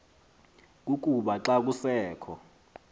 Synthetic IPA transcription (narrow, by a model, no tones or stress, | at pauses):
k̬uk̬ʼuɓaǁak̬usɛːkʰɔ